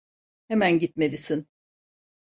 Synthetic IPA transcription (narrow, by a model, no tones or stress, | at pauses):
hemænɟit̪me̞d̪isin